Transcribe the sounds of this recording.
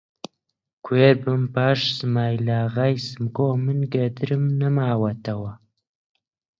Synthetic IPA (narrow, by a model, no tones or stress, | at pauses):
kʰweɾbəmpaʂsmajlaʁajsɨmkomənɡad̪ɾəmnəmaːwat̪awa